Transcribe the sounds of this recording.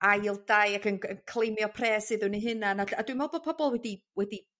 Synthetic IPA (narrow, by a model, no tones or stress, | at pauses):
ajlˠdajakənənkʰlˠejmjɔpʰrɛːsɨðʊniɦɨnanaadwimvɛlˠbɔpʰɔbɔlˠwɛdi | wɛdi